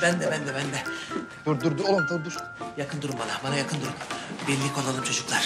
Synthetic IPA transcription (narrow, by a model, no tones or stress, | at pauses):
bænd̪ɛbænd̪ɛbænd̪ɛd̪̥uɾd̪uɾd̪uolˠumt̪ʰuɾd̪uɾ | jakʰɯnd̪uɾumbanabanajakʰɯnd̪uɾumbilʲːikʰolˠalˠɯmt͡ʃʰo̞d͡ʒuklˠaɾ̥